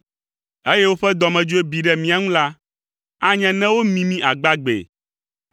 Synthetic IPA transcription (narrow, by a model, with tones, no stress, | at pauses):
e˦je˦wo˦ɸɛ˦d̪ɔ˨mɛ̃˨d͡ʒo˦e˦bi˨ɖɛ˦mĩ˨a˨ŋũ˦la˦ | a˦ɲɛ̃˦nɛ̃˦wo˦mĩ˨mĩ˦ʔa˨ɡ͡ba˦ɡ͡bḛ˨